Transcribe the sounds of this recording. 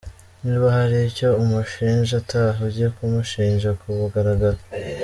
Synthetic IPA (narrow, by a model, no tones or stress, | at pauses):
niβahaɾiːco̞umuʃiːɲʒatʰaɦuɟijekumuʃiːɲʒakʰuβuɡaɾaɡaɾe